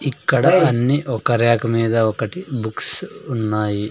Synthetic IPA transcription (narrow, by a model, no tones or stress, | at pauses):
ikːɐɽɐɐnːiʔɔkːɐɾjaːkɐmiːd̪ɐɔkːɐʈibuksunːaːji